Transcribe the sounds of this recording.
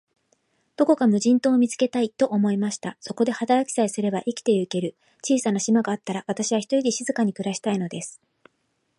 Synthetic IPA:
d̪̥o̞ko̞kamɯ̟ʑĩnt̪o̞ːmʲit͡sɨ̥ke̞t̪ait̪o̞ʔomo̞imaɕi̥t̪aso̞ko̞d̪e̞hat̪aɾakʲi̥saisɨɾe̞baʔikʲi̥t̪e̞ɯ̟ke̞ɾɯ̟ | t͡ɕiːsanaɕimaɡaːt̪ːaɾaβat̪aɕiβ̞açi̥t̪o̞id̪eɕizɨkaɲ̟ikɯ̟ɾaɕi̥t̪aino̞d̪e̞sɨ̥

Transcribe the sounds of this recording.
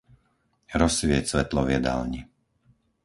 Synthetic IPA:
ɾɔsʋɪɛcsʋɛt̪lɔʋɪɛd̪a̰lɲi

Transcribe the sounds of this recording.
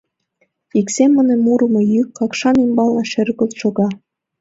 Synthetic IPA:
iksemːə̆nĕmuɾɤ̆mɤ̆jykːɑkʃɑnimbɑlˠnɑʃɘrɣə̆lʃoɣɑ

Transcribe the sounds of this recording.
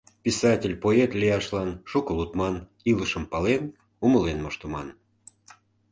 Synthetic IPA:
pʲisɑtʲelʲpoet̪lʲijɑʃlɑnʃukəlut̪mɑn | iləʃəmpɑlen | umə̆lenmoʃt̪ə̆mɑn

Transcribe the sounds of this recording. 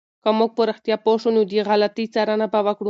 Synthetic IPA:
kamuɡ̚poɾaxt̪jɑpoʃunod̪iɣalat̪it͡saɾanabawakɽu

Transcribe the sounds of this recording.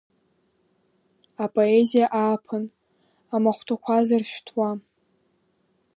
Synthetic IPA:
apʼo̞ezijaʔaːpʰɨn | amaχʷtʰakʷʰazarʃᶣtʰwa

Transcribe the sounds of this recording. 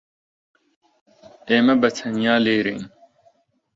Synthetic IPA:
eːmɐbɐt͡sʰɐnijaːleːɾḛːn

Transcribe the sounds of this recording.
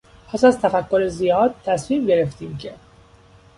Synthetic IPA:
pʰæsæzt̪ʰæfækʰːo̞ɾezijɒːd̪̚t̪ʰːæsmiːmɟe̞ɾe̞ft̪iːmcʰe̞

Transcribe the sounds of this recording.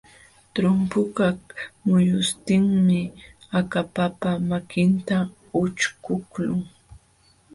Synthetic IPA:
t̪ɾʊmpʊkakmʊjʊst̪ɪŋmɪakapapamakɪnt̪a | ʊt͡ʃkʊklʊŋ

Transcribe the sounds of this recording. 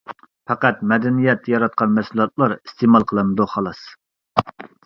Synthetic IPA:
pɛqæt̪mɛd̪ɛnijɛt̪ʰːɛjɑɾɑt̪̚qʰɑnmɛsulˠɑt̪̚lˠɑɾist̪emɑlˠqʰəlˠɨnɨd̪uχɑlˠɑs

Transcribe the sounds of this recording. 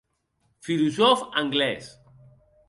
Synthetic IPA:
filuzɔfaŋɡlɛs

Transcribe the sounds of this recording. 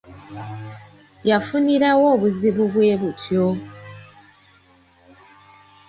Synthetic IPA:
jafuniɾawoːβuziβuβweːβutjo

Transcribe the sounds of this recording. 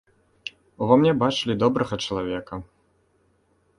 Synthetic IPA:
uvɔmnʲɛbat͡ʂɨlʲid̪ɔbɾɐɣɐt͡ʂɐlˠavʲɛkɐ

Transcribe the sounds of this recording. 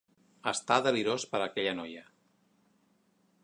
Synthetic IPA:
əst̪aðəliɾospəɾəkɛʎənɔjə

